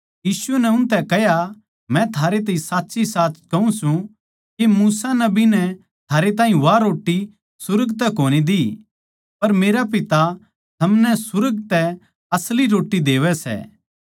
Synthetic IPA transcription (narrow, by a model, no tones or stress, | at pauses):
jiːsʊɛnɛʊ̃nt̪ɛkɛɦja | mɛ̃t̪ʰaːɾet̪ɐːĩsaːt̪ːsisaːskɐũsũ | kemuːsanɐbinɛ | t̪ʰaːɾet̪ãːĩʋaɾoːʈːi | sʊɾəɡt̪ɛkoːñid̪i | pɐɾmeːɾap̬ɪt̪a | t̪ʰɐmnɛsʊɾəɡ̚t̪ɛ | ɐsliɾoːʈːid̪eːʋɛsɛ̰ː